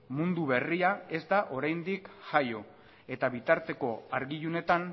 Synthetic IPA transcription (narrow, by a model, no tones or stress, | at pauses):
mund̪uβe̞riae̞zd̪aʔo̞ɾajnd̪ikʝajo̞ | e̞t̪aβit̪aɾt̪e̞ko̞aɾɣijune̞t̪an